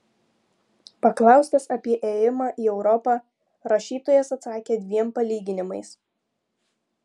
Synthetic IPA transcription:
pɐklˠɑˑʊsʲt̪ɐsɐpʲiɛʔeːjɪmɑːʔiːɛʊɾɔpɑː | ɾɐʃʲiːt̪oːjɛsɐt̪sɑːkʲeːd̪ʲʋʲiɛmpɐlʲiːɡʲɪnʲɪmɐɪs

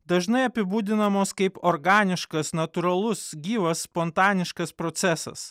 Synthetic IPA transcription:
d̪ɐʒnɐɪɐpʲɪbuːd̪ʲɪnɐmoːskɐɪpoɾɡɑːnʲɪʃkɐsnɐt̪ʊɾɐlˠʊsɡʲiːʋɐsːpɔnt̪ɑːnʲɪʃkɐspɾɔt̪sʲæsɐ̰s

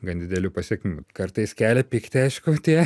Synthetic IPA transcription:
ɡɐnd̪ʲɪd̪ʲɛlʲuːpɐsʲiɛkʲmʲɪmukɐɾt̪ɐɪskʲæːlʲɛpʲɪkt̪ʲɪɐɪʃkʊt̪ʲiɛ

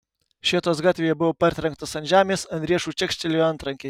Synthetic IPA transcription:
ʃʲiɛt̪oːsɡɑːt̪ʲʋʲeːjɛbʊʋoːpɐɾʲt̪ʲɾʲɛŋk̚t̪osɐnʒʲæːmʲeːsɐnd̪ʲɾʲiɛʃuːt͡ʃʲɛkʃʲt͡ʃʲɛlʲijɐnt̪ɾɐŋʲkʲe

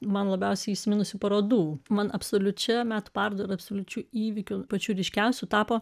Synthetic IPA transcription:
mɐnlˠɐbʲɛʊsʲɛɪisʲɪmʲɪnʊsʲʊpɐɾoːd̪uːmɐnɐpsoːlʲʊt͡ʃʲɛmʲæːt̪ʊpɑɾd̪oːɾɐɐpsoːlʲʊt͡ʃʲuːiːʋʲɪkʲʊpɐt͡ʃʲuːɾʲɪʃʲkʲɛʊsʲʊt̪ɑːpoː

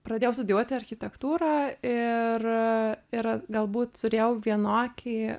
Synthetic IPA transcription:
pɾɐd̪ʲeːjɛʊsʊd̪ʲjuɔt̪ʲɪɐɾʲxʲɪt̪ʲɛkt̪uːɾɐːɪrɪɾɡɐlˠbuːt̪t̪ʊɾʲeːjɛʊʋʲiɛnoːkʲiː

